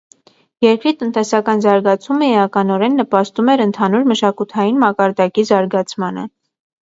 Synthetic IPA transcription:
jɛɾkɾit̪ənt̪ɛsɑkɑnzɑɾɡɑt͡sʰuməiɑkɑnɔɾɛnːəpɑst̪umɛɾənt̪ʰɑnuɾməʃɑkut̪ʰɑjinmɑkɑɾd̪ɑkizɑɾɡɑt͡sʰmɑnə̰

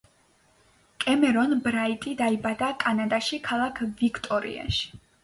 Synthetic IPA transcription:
kʼɛmɛɾɔnbɾait̪ʼid̪aibad̪akʼanad̪aʃikʰalˠakʰvikʰt̪ʼɔɾḭa̰ʃi̥

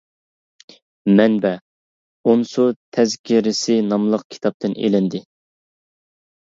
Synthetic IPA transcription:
mɛnbɛ | onsut̪ʰɛzkʲʰiɾɪsɪnɑmlˠəqkʲʰi̥t̪ʰɑp̚t̪ɨnḛlɪnd̪ɪ

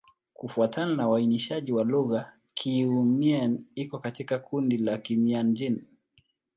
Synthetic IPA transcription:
kufuatʰananawainiʃaʄiwaluɣa | kʰiumianikɔkatikakʰundilakimiand͡ʒin

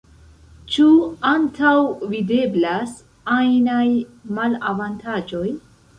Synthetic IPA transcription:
t͡ʃuantʰawvide̞blas | ajnajmalavantʰad͡ʒo̞j

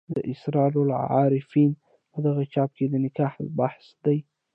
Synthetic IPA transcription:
d̪əʔɪsɾɑlolʕɑ̰ɾɪfin | pəd̪aɣat͡ʃɑp̚ked̪ənɪkɑhlbaħsd̪aj

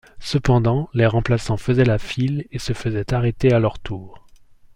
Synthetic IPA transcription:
səpɑ̃d̪ɑ̃leʁɑ̃plasɑ̃fəzɛlafilesəfəzɛt̪aʁɛt̪ealœʁt̪ʰuːʁ

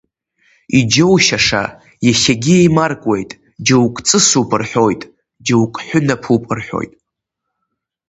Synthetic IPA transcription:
id͡ʒowʃaʂa̰ | jaʃaɡʲiejmarkʷʼwe̞jtʼ | d͡ʒowkʷʼt͡sʼɨsupʼɨrħo̞jtʼ | d͡ʒowkʼħʷᶣʊnapʰupʼɨrħʷᶣo̰jtʼ

